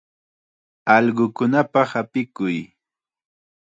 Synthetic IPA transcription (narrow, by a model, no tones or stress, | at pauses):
ɑʎɢʊkʊnapaχapɪkʊj